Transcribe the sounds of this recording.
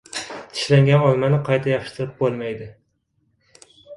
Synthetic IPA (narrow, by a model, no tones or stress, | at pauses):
t̪ʰɪ̥ʃlaŋɡʲanɒlˠmanɪqʰɑjt̪ʰajɒpʃt̪ʰɪɾɪp̚bolˠmajd̪ɪ